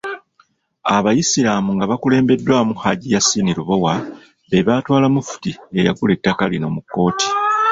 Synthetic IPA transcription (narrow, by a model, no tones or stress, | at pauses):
aβajisiɾaːmuŋɡaβakule̞ːmbe̞dːwaːmuhaɟijasːiniɾuβo̞wa | βe̞βaːtwaːlamufu̥tie̞ja̰ɡule̞tːakalino̞ːmukːo̞ːti̥